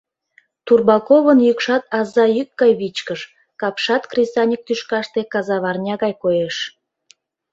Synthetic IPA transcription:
t̪urbɑkoβənjykʃɑt̪ɑzɑjyk̚ɡɑjβit͡ɕkəʃ | kɑpʃɑt̪krʲisɑnʲik̚t̪yʃkɑʃt̪ekɑzɑβɑrnʲɑɣɑjkojeʃ

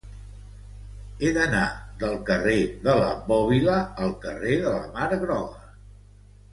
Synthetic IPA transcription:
eðənaðəlˠkəreðələ̰bɔβiləːlˠkə̰reðələ̰maɾəɣnɔɣə

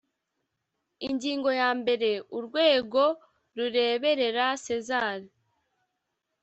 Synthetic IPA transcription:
iɲɟiːŋɡo̞jaːmbe̞ɾe̞uɾɡwe̞ːɡo̞ | ɾuɾe̞ːβe̞ɾe̞ɾase̞zaːɾi

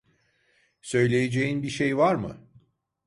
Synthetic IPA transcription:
sø̞jlʲe̞jed͡ʒejinbiʃejvaɾmɯ̰

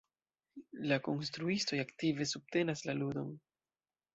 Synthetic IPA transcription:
lako̞nstɾuisto̞jaktive̞sub̚te̞naslaludo̞n

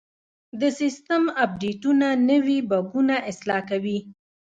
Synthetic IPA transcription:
d̪əsɪst̪əmab̚ɖeʈunanəwibaɡunaʔɪslɑkawi

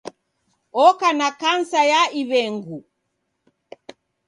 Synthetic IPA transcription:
ɔkanakansajaiβɛŋɡu

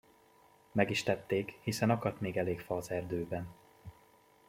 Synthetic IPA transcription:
mɛɡiʃt̪ɛt̪ːeːkhisɛnɒkɒt̪meːɡɛleːkfɒːzɛrd̪øːbɛn

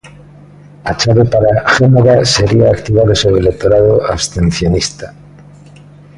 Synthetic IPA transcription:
at͡ʃaβepaɾaxenoɾaseɾiaːkt̪iβaðosoβelek̚t̪oɾaðoaβst̪ẽn̟θjonist̪a

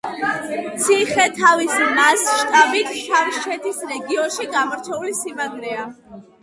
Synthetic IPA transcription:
t̪sʰiχɛt̪ʰavisimasʃt̪ʼabit̪ʰʃʰamʃt͡ʃʰɛt̪ʰisɾɛɡiɔnʃiɡamɔɾt͡ʃʰɛulisimaɡɾɛa

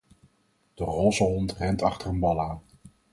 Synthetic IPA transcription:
d̥əroːzəɦɔntrɛntɑχtərənbɑlaːn

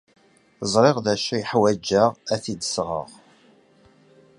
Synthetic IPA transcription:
zˤɾˤɪʁðæʃæiħwæd͡ʒːæʁæθid̪əsʁə̰ʁ

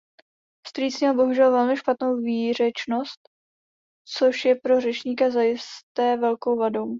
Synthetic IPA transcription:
st̪ɾiːt͡sɲɛlbo̞ɦuʒɛlvɛlmɪʃpat̪no̞wviːr̝ɛt͡ʃno̞st̪̚ | t͡so̞ʃjɛpɾo̞rɛt͡ʃɲiːkazajɪst̪ɛːvɛlko̞wvadow

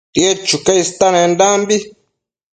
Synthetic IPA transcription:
ɗiɛt͡ʃukɛistanɛndambi

